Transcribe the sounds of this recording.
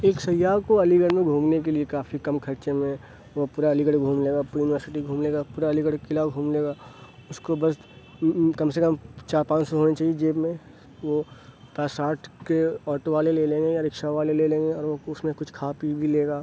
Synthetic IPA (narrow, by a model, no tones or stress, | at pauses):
eːksɐjːaːkoɐliɡəɽmẽɡʱuːmnek̬eliekaːfʰikɐmkʰɐɾt͡ʃemẽ | ʋopuːɾaɐliɡəɽɡʱũːmleːɡaːpuːɾijunɪʋəɾsɪʈiɡʱũːmleːɡaːpuːɾaɐliɡəɽkɪlaɡʱũːmleːɡaːʊskobɐs | kɐmsekɐmt͡ʃaːɾpãːt͡ʃsɔɦoːnet͡ʃaːɦied͡ʒeːbmẽ | ʋo | pɛːsaːɾʈkeɔːɾʈoʋaːleleːlẽːŋɡejaɾɪkʃaʋaːlelelẽːŋɡeɔːɾʋoʊsmẽkʊt͡ʃʰkʰaːpibʱileːɡaː